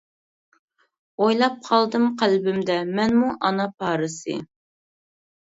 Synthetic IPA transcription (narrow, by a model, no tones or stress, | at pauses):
ojlˠɑp̚qʰɑlˠd̪ɨmqʰælbɪmd̪ɛmɛnmuʔɑnɑpʰɑːɾɨsɨ̰